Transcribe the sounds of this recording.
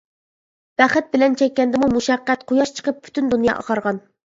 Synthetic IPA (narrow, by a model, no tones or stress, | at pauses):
b̥æχæt̪̚bɪlɛnt͡ʃʰɛk̚ʲːɛnd̪ɪmumuʃɑqːæt̪qʰojɑʃt͡ʃʰə̥qəp̚pʰːy̥t̪ynd̪unjɑ̰ʔɑ̰qɑɾʁɑn